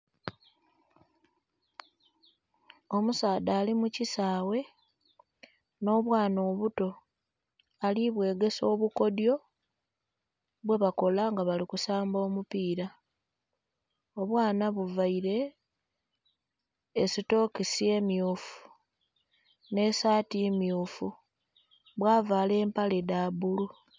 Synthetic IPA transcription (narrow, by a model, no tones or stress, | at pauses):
o̞musaːd̪aːlimucisaːwe̞ | no̞ːβwaːno̞ːβuto̞ | aliβwe̞ːɡe̞so̞ːβuko̞djo̞ | βwe̞βako̞laŋɡaβalikusaːmbo̞ːmupiːɾa | o̞βwaːnaβuvaiɾe̞ | sito̞ːkisje̞ːmjuːfu̥ | ne̞saːtimjuːfu | βwaːvaːle̞ːmpale̞daːbulu